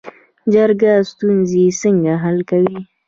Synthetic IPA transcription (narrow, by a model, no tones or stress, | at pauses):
d͡ʒaɾɡast̪unzisəŋɡaɦalkawi